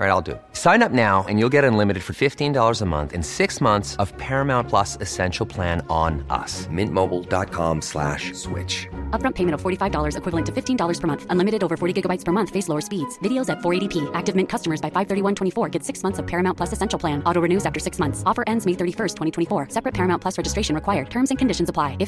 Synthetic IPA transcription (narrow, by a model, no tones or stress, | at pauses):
ɹaɪɾaɪlˠdɨ̰ | sãɪ̃nʌp̚naʊɨ̰̃njulˠɡɛɾɨ̃nlɪ̃mɨɾɨd̥fə˞fɪftĩndɔlˠə˞zəmʌ̰̃nθɨ̰̃nsɪksmʌ̃nθsʌv̥pʰɛɹɨmãʊ̃npʰl̥ʌsɨsɛ̃nʃl̩ˠpʰl̥æ̃nə̃nʌ̰smɪ̃nmoʊbl̩ˠdɑ̰t̚kʰɑ̰̃mslæ̰ʃswɪ̰t͡ʃʌp̚ɹʌ̃mpʰeɪmɨ̃ɾ̃ʌv̥fɔɹɾifaɪvdɔlˠə˞zɨkʰwɪvl̩ˠə̃ntʰɨfɪftʰĩndɔlˠə˞z̥pʰə˞mʌ̃nθʌ̃nlɪ̃mɨɾɨɾoʊvə˞fɔɹɾiɡɪɡəbaɪtspʰə˞mʌ̃nθfeɪsloʊə˞spidz̥vɪɾioʊzɨtfɔɹeɪɾipʰiʔæk̚tɨvmɪ̃nkʰʌstəmə˞zbaɪfaɪv̥θɜ˞ɾiwʌ̃ntʰw̥ɛ̃ifɔɹɡɛtsɪksmʌ̃nθsʌv̥pʰɛɹɨmãʊ̃npʰl̥ʌsɨsɛ̃nʃl̩ˠpʰl̥æ̃nɔɾoɹɨnʉzæftə˞sɪksmʌ̃nθsɔfə˞ʔɛ̃ndzmeɪθɜ˞ɾifɜ˞stʰwɛ̃ɾ̃itʰwɛ̃ifɔɹsɛpɹɨt̚pʰɛɹɨmãʊ̃npʰl̥ʌsɹɛd͡ʒɨstɹeɪʃɨ̃n̩ɹɨkʰwaɪə˞d̚tʰɜ̃˞mzɨ̃nkʰɨ̃ndɪʃn̩zəpʰl̥aɪɨf